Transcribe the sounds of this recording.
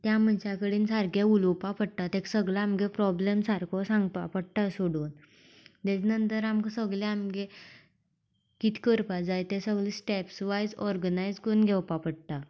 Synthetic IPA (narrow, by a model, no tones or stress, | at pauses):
t̪jam̤ənt͡ɕakəɽiːnsaɾkjeulowpapəɽt̪at̪eksəɡlaamɡepɾɔblemsaɾkʰɔsãŋɡt̪apəɽt̪asoɽuːn | t̪ed͡ʑinənt̪əɾamksəɡleamɡe | kit̪ʰi̥kəɾpad͡zajt̪esəɡɭlisʈɛpsʋajd͡zɔɾɡənajd͡zkonɡʱɛwpapəɽt̪a